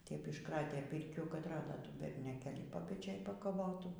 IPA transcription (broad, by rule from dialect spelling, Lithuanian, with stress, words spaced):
tʲɛp ɪʃˈkrɑːtʲeː ˈpʲɪrʲkʲuː kɐt ˈrɑːdoː ˈtuː bʲɛrʲnʲoːˈkʲeːlʲiː pɐpʲɛˈt͡ʃʲeːj pɐkɐˈʋoːtuː